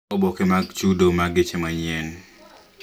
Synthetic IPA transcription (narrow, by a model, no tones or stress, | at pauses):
obɔkemaɡt͡ʃudomaɡet͡ʃemaɲɛn